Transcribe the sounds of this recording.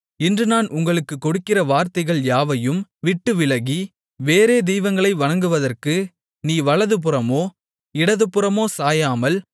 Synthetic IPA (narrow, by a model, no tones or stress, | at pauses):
ɪndrɯnaːnʔʊŋɡɐɭɯkːɯkːɔɽɯkːɪrɐʋaːɾt̪ɐɪɣɐɭjaːʋɐjɯmʋɪʈːɯʋɪlɐɣi | ʋeːɾeːd̪ɛjʋɐŋɡɐɭɐɪʋɐɳɐŋɡɯʋɐðɐrkɯ | niːʋɐɭɐðɯp̬ɯrɐmoː | ɪɽɐðɯpɯrɐmoːsaːjaːmɐl